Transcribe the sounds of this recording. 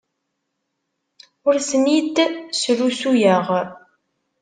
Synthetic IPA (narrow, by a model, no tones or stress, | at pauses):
ʊɾsmid̪sɾusujəʁ